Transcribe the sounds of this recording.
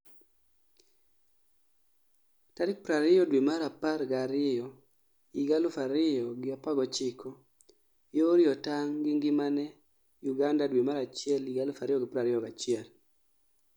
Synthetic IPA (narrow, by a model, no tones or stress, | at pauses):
taɾɪk̚pɾaɾɪjɔdwimaɾaparɡaɾɪjɔ | iɡalʊfaɾɪjɔɡɪapaɡɔt͡ʃɪkʰɔ | joɾɪjɔtaŋɡɪŋɡɪmanɛ | juɡandadwimaɾat͡ʃɪɛliɡalʊfaɾɪjɔɡɪpɾaɾɪjɔɡat͡ʃɪɛl